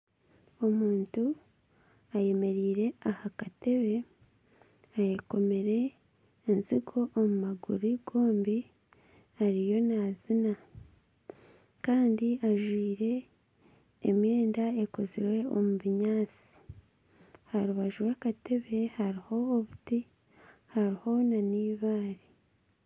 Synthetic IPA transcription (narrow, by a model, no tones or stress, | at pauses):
o̞muːntu | aje̞me̞ɾiːɾe̞ahakate̞βe̞ | ajeko̞me̞ɾe̞ː | nziɡo̞ʔːmumaɡuɾiɡo̞ːmbi | aɾijo̞nazina | kaːndiʔaʒwiːɾe̞ | mje̞ːndae̞ko̞ziɾwe̞omuβiɲaːt͡si̥ | haɾuβaʒuwakate̞βe̞haɾiho̞ːβuti | haɾiho̞naniːβaːɾi